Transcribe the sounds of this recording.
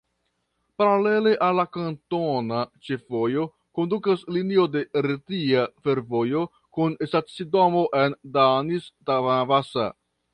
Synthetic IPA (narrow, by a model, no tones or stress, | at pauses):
paɾale̞le̞ʔalːakanto̞nat͡ʃe̞fo̞jo̞ | ko̞ndukaslinio̞de̞ɾetiafe̞ɾvo̞jo̞ | kunsat͡sidomoʔe̞ndanistavaavasa̰